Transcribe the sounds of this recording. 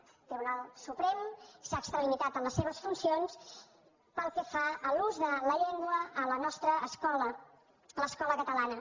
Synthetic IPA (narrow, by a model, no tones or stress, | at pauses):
t̪t̪ɾiβunalˠsupɾɛmsaəkst̪ɾəlimit̪at̪ənləsːeβəsfunsions | pəlˠkɛfaəluzðələʎeŋɡwəələnɔst̪ɾəːskɔlə | ələskɔləkət̪əlanə